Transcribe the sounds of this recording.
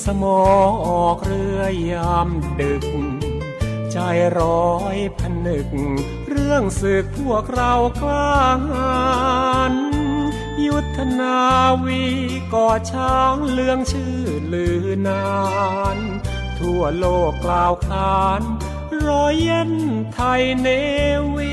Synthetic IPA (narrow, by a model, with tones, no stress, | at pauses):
sa˧mɔː˨˧ŋʔɔː˨˩k̚ɾɯ˧əjːaː˧mdɯ˨˩k̚ŋ | t͡ɕa˧˩jɾɔː˧˦jpʰa˧nɯ˨˩k̚ŋ | ɾɯ˥˩əŋsɯ˨˩k̚pʰu˥˩ək̚ɾa˧˥wklaː˥˩ŋʔa˧n | ju˦˥t̪ʰːa˧naː˧wi˧ | kɔː˨˩t͡ɕʰaː˧˥ŋlɯ˧˥əŋt͡ɕʰɯː˧˩˧lɯː˨˩˦na˧n | t̪ʰu˧˩əloː˧˩kːlaː˧˩wkʰaː˧n | ɾɔː˧˥jːe˧˥˩nt̪ʰa˧jne˧˥wi˧˥